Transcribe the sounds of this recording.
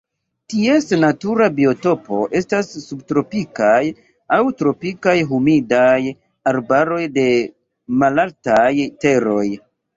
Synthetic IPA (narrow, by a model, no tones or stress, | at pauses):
tie̞snatuɾabio̞to̞po̞ʔe̞stasːubtɾo̞pikaj | awtɾo̞pikajɦumidaj | aɾbaɾo̞jde̞ | malaltajte̞ɾo̞j